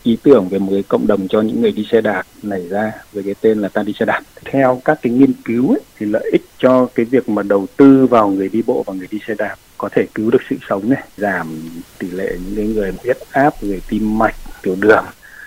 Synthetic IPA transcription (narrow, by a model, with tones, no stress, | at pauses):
ʔi˨˦t̪ɨ˧˩əŋve˨˩mo˨˩t̚kaː˨˦jkə̰˧˨wŋ͡mɗə˨˩wŋ͡mt͡ɕɔ˧ɲɨ̰˧˥ŋːɨ˨˩əjɗi˧sɛ˧ɗaː˨˩p̚na˧˩jzaː˧veː˨˦kaː˨˦jt̪e˧nlaː˨˩t̪aː˧ɗi˧sɛ˧ɗaː˨˩p̚t̪ʰɛ˧wkaː˦˥kːaː˨˦jŋi˧ənki˨˦wa˨˦t̪ʰi˨˩lə̰ː˧˨jʔï˦˥k̟̚t͡ɕɔ˧kaː˨˦jvi˨˩ək̚maː˨˩ɗə˨˩wt̪ɨ˧vaː˨˩wŋɨ˨˩əjɗi˧ɓo̰˧˨vaː˨˩wŋɨ˨˩əjɗi˧sɛ˧ɗaː˨˩p̚kɔ˨˦t̪ʰe˧˩kɨ˨˦wɗɨ˨˩ək̚sɨ̰˧˨sə˨˦wŋ͡mnɛ˨˧˦jzaː˧˩mt̪i˧˩lḛ˧˨ɲɨ̰˧˥ŋkaː˨˦ŋɨ˨˩əjwi˦˥t̚ʔaː˦˥p̚ŋɨ˨˩əjt̪i˧mːa˨˩jk̟̚t̪i˨˧˩əwɗɨ˨˩əŋ